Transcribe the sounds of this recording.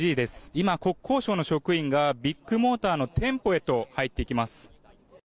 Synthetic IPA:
iːd̪e̞sɨ̥imako̞kʰːo̞ːɕo̞ːno̞ɕo̞kɯ̟ĩŋɡabʲikːɯ̟mo̞ːt̪aːno̞t̪ʰẽ̞mpo̞e̞t̪o̞hait̪ːe̞ikʲimasɨ̥

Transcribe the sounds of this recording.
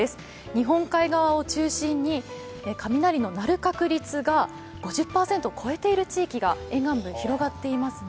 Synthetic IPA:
esɨ̥ | ɲ̟iɦõ̞ŋkaiɡaβ̞ao̞t͡ɕɨːɕĩɲ̟ːi | ekamʲinaɾʲino̞naɾɯ̟kakɯ̟ɾʲit͡sɨɡa | ɡ̥o̞ʑɨpːaːse̞nt̪o̞kʰo̞e̞t̪e̞iɾɯ̟t͡ɕiːkʲiɡaẽ̞ŋɡãmbɯ̟̃çiɾo̞ɡat̪ːe̞imasɨ

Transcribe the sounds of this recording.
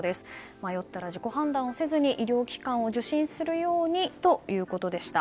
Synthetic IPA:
d̪e̞sɨ̥ | majo̞t̪ːaɾaʑiko̞ɦãnd̪ãɰ̃o̞se̞zɨɲ̟iʔiɾʲo̞ːkʲi̥kãɰ̃o̞ʑɨɕĩɰ̃sɨɾɯ̟jo̞ːɲ̟it̪o̞jɯ̟ːko̞t̪o̞d̪e̞ɕi̥t̪a

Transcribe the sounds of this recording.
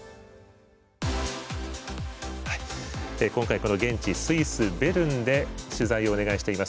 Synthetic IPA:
haiekõ̞ŋkaiko̞no̞ɡẽ̞ɲ̟t͡ɕisɨisɨbe̞ɾɯ̟̃nd̪e̞ɕɨzaio̞ːne̞ɡaiɕi̥t̪e̞imasɨ̥

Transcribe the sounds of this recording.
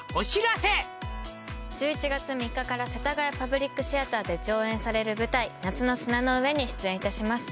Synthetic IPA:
oɕiɾase | d͡ʑɨːit͡ɕiɡat͡sɨmʲikːakaɾase̞t̪aɡaipabɯ̟ɾʲikːɯ̟ɕiat̪aːd̪e̞d͡ʑo̞ːẽ̞ɰ̃saɾe̞ɾɯ̟bɯ̟t̪ainat͡sɨno̞sɨnano̞ɯ̟e̞ɲ̟iɕɨ̥t͡sɨẽit̪aɕimasɨ̥

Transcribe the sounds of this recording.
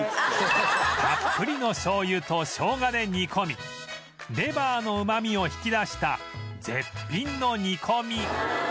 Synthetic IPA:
ɡapːɯ̟ɾʲino̞ɕo̞ːjɯːt̪o̞ɕo̞ːɡad̪e̞ɲ̟ikʰo̞mʲi | d̪e̞baːno̞ɯ̟mamʲio̞çi̥kʲid̪aɕi̥t̪a | d͡ze̞̰pʲːĩnːo̞ɲ̟ikʰo̞mʲi

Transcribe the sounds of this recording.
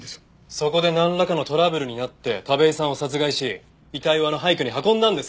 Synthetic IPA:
so̞ko̞d̪e̞nãnɾakano̞t̪o̞ɾabɯ̟ɾɯ̟ɲ̟inat̪ːe̞t̪abe̞isãɰ̃o̞sat͡sɨɡaiɕi | it̪aiβano̞ɦaikɯ̟ɲ̟iɦakõ̞nd̪ãnd̪e̞sɨ̥

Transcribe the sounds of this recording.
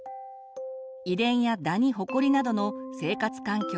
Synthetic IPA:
id̪ẽ̞ɰ̃jad̪aɲ̟iɦo̞ko̞ɾʲinad̪o̞no̞se̞ːkat͡sɨ̥kãŋkʲo

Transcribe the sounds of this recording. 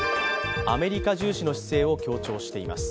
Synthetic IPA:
a̰me̞ɾʲikaʑɨːɕino̞ɕi̥se̞ːo̞kʲo̞ːt͡ɕo̞ːɕi̥t̪e̞ima̰sɨ̥

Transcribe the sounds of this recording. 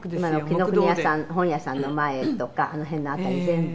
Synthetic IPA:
manokʲinokɯ̟ɲʲijasãnhõ̞ɰ̃jasãnːo̞maet̪o̞kaʔano̞ɦẽ̞nːaːt̪aɾʲizẽ̞mb

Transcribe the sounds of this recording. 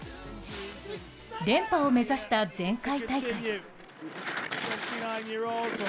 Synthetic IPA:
d̪ẽ̞mpaome̞zaɕi̥t̪ad͡zẽ̞ŋkait̪aik | fɛftinãɪ̃njiɹol

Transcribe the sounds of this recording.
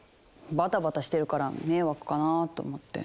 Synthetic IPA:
bat̪abat̪aɕi̥t̪e̞ɾɯ̟kaɾame̞ːβakɯ̟̥kanat̪o̞̰ːmot̪ːe̞̰

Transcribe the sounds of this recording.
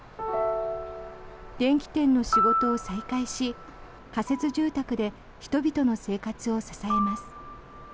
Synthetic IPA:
d̪ẽ̞ŋkʲi̥t̪ẽ̞nːo̞ɕiɡo̞t̪o̞ːsaikaiɕi | kase̞t͡sɨʑɨːt̪akɯ̟d̪e̞ | çi̥t̪o̞bʲit̪o̞no̞se̞ːkat͡sɨo̞sasae̞masɨ̥

